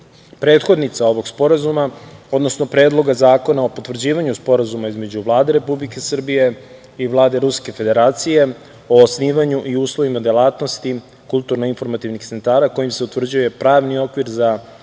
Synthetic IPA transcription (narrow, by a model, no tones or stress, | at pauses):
pɾe̞ːt̪xo̞d̪nit̪sao̞ʋo̞ɡspo̞ɾazumao̞d̪no̞sno̞pɾe̞ːd̪lˠo̞ɡazaːko̞nao̞pot̪ʋr̩d͡ʑiːʋaɲuspo̞ɾazumaizme̞d͡ʑuʋlˠaːd̪e̞ɾe̞publike̞sr̩bije̞ | iʋlˠaːd̪e̞ɾuske̞fe̞d̪e̞ɾaːt̪sije̞ | o̞ːsniːʋaɲuʔiuːslˠo̞ʋimad̪jelˠaːt̪no̞st̪i | kulˠt̪uɾnoinfo̞ɾmat̪iʋnixt̪se̞nt̪aːɾako̞jimse̞ut̪ʋr̩d͡ʑuje̞pɾaːʋnio̞kʋiɾza